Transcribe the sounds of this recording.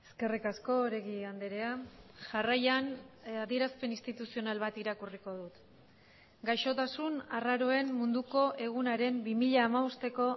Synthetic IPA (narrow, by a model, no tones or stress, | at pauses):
e̞ske̞rikasko̞ɾe̞ɣiand̪eɾe̞aʝarajanaðie̞ɾaspe̞nist̪it̪usio̞nalβat̪iɾakuriko̞ðut̪ | ɡajʃo̞t̪asunaraɾo̞e̞mmund̪uko̞ʔe̞ɣ̞unaɾe̞mbimiʎaːmaust̪e̞ko̞